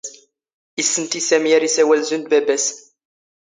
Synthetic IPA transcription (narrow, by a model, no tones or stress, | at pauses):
isːənt̪isæmijæɾisæwælzund̪̚bæbæs